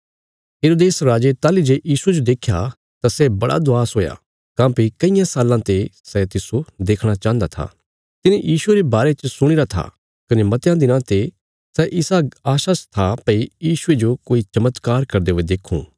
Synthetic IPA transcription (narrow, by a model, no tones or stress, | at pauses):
ɦeːɾoːd̪eːsɾaːd͡ʒet̪aːlid͡ʒeːjiːsued͡ʒod̪eːkʰːja | t̪asɛbɐɽʔa̰d̪ʊaːsɦoːja̰ | kãːpikɐɪjãsaːlãt̪esɛt̪ɪsod̪eːkʰɽ̃at͡ʃãːnd̪at̪ʰa̰ | t̪ɪnejʔiːsʊeɾebaːɾet͡ʃsʊɽ̃ɪɾat̪ʰa̰ | kɐnemɐt̪ejãd̪ɪnãt̪e | sɛʔɪsaːaːʃaːst̪ʰapɐijiːʃʊed͡ʒokoːit͡ʃɐmət̪kaːɾkɐɾd̪eɦoːed̪eːkʰṵ̃ː